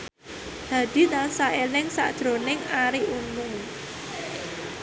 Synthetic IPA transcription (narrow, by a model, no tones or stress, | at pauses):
d̥a̤d̥i̤nansaelɪŋsa̰ʔd̥ʒ̥ɾo̤nɪŋaɾiʔunmʊŋ